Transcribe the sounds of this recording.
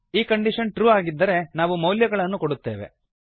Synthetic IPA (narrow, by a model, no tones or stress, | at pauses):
iːkɐɳɖiʂɐnʈɾuːaːɡid̪ːɐɾe̞naːʋumɐwljɐɡɐɭɐnːukoɽut̪ːe̞ːʋe̞̰